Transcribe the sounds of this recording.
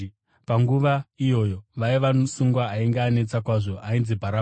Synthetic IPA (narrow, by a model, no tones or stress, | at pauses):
paŋɡuʋaijo̞jo̞ʋaiʋaosuŋɡwaːiŋɡeːne̞t͡sakwaʐo̞ʔainzibʱaɾa